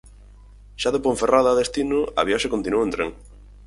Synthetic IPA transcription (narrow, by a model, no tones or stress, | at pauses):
ʃaðepoɱferaðaːðest̪inʊɐ̰βjaʃakont̪inuẽnt̪ɾḛŋ